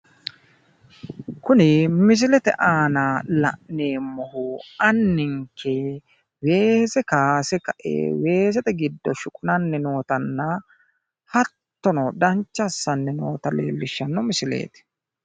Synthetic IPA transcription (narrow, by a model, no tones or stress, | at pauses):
kʊnɪmɪs̬ɪlɛt̪ɛ̰ʔaːnaːlɐ̰ʔneːmɔhʊɐnːɪŋkʰɛ | we̞ːsɛkaːsɛkɐʔḛːwe̞ːs̬ɛt̪ɛɡɪd̪ːɔʃʊkʼʊnɐnːɛno̞ːt̪ɐnːɐ | hɐt̪ːɔnɔd̪ɐnt͡ʃːɐsːɐnːɪno̰ːt̪ɐle̞̰ːlːɪʃːɐnːɔmɪsɪlḛːt̪ɪ̥